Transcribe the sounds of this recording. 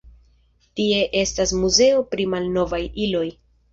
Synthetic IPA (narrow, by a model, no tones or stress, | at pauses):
tie̞ʔe̞stasmuze̞o̞pɾimalno̞vajilo̞j